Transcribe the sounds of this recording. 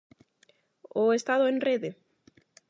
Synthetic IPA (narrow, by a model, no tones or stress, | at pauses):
oest̪aðoẽŋreðe